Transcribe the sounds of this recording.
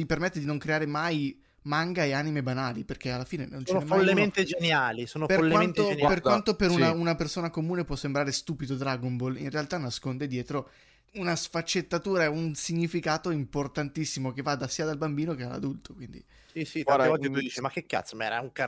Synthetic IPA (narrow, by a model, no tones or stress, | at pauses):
jipermet̪ːed̪inoŋkɾeaːɾemaj | maŋɡaeaːnimebanaːliperkealːafiːnenɛnonomfolːement̪ed͡ʒenjaːlisoːnopeolːewaent̪owperkant̪opeɾunaunapersoːnakomuːnepwɔsːembɾaːɾest̪uːpid̪od̪ɾaɡombolḭnrealt̪anːaskond̪ed̪jɛːt̪ɾo | unasfat͡ʃːet̪ːat̪uːɾaɛunsiɲːifikaːt̪oimport̪ant̪isːimok̟evːad̪asiːad̪albambiːnoked̪a̰la̰d̪ult̪o̥kwind̪ḭ | sisit̪avɔlk̪et̪ujd̪iːt͡ʃimakːekːa̰t̪smɛ̰ɾauŋka